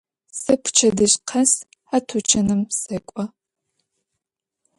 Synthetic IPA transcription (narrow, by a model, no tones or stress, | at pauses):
sɐpʰʊ̥t͡ʃʰɐdɨɕqʰɐs | ħatʰut͡ʃʰɐnɨmsɐkʷʼɔ